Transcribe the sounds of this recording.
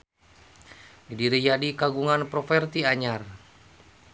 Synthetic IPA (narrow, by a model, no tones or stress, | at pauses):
didiɾijadikaɡuŋanpɾɔfɛrt̪iaɲar